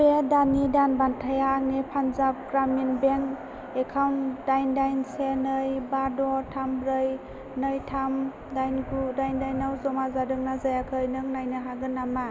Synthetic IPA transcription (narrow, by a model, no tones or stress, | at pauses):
bedanidanbantʰajaŋnipʰanzap̚ɡɾaminbeŋk | ekʰawndajndajnsenɯjbadɔtʰamɾɯj | nɯjtʰam | dajnɡudajndajnawzɔmazadɯŋnazajakʰɯjnɯŋnajnɯɦaɡɯnːama